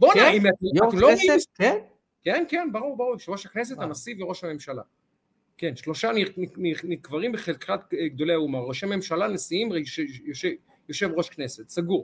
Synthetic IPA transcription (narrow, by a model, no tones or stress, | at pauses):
bonaimat̪atloeɡieken | kenkenbaʁuʁbaʁuʁʃeʁo̞ʃhaknes̬et̪anasiveʁo̞ʃhame̞mʃala̰ | kenʃlo̞ʃaninininikvaʁimbeχelkχat̪eɡd̪o̞leaumaʁːoʃeme̞mʃalanesiimʃejoʃe | jo̞ʃevʁo̞ʃkne̞set̪saɡuʁ